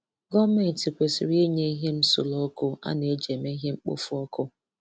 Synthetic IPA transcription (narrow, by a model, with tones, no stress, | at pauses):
ɡɔ˦me˦˨n˨ti˨kʷe˨sḭ˨ɾi˦e˦ɲe˦i˦ɦe˦m̩˦sʊ̰˨lɔ˦kʊ˦a̰˦ne˨e˦d͡ʒe˨me˦i˦ɦe˦ŋ͡m̩˦k͡po̰˦fʊ˦ɔ˦kʊ˦